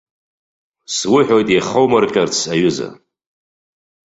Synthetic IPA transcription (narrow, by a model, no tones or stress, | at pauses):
swʊħʷᶣojtʼjaχowmarkʲʼart͡sʰaɥʊza̰